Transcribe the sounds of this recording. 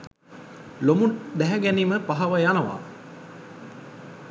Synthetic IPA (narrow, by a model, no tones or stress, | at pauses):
lomund̪æɦæɡɛniməpaɦɐʋəjanəʋa̰